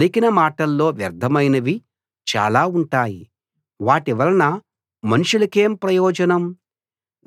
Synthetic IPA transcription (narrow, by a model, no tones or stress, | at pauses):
likinɐmaːʈɐlːo̞ːʋjɐɾd̪ʱɐmɐjnɐʋi | t͡ʃa̰ːlaːuɳʈaːjḭ | ʋaːʈiʋɐlɐnɐ | mɐnuʂulɐke̞ːmpɾɐjɔːd͡ʒɐnɐm